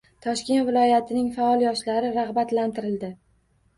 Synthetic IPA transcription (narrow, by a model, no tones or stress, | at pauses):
t̪ʰɒʃkʲe̞nt̪vɪlˠɒjat̪ʰɪnɪŋfaɒlˠjɒʃlaɾɪɾaʁbat̪lant̪ʰɪɾɪld̪ɪ